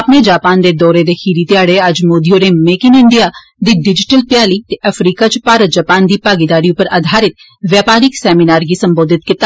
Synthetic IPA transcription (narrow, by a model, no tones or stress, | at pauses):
əpneːd͡ʒaːpaːnd̪eːd̪ɔːɾeːd̪eːkʰiːɾiːt̪ɪjaːɽeəd͡ʒmoːd̪ijoːɾeːmeːkɪnɪɳɖijaː | d̪iːɖɪd͡ʒɪʈəlpɪjaːliːt̪eʔəpʰɾiːkat͡ʃpaːɾət̪̚d͡ʒəpaːnd̪iːpaːɡɪd̪aːɾiupəɾa̰ːd̪ʱaːɾɪt̪̚ | ʋjaːpaːɾɪksɛːminaːɾɡiːsəmboːd̪ʱɪt̪kɪt̪a